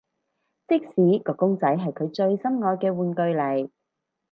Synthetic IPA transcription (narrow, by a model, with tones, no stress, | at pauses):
t͡sɪ˥k̚siː˨˥kɔː˧kːʊ˥ŋt͡sɐ˨˥jɦɐ˨jkʰɵ˨˧ɥt͡ʃɵ˧ɥsɐ˥mŋɔː˧jkɛː˧wuː˨˧nkɵ˧ɥlɐ˨˩j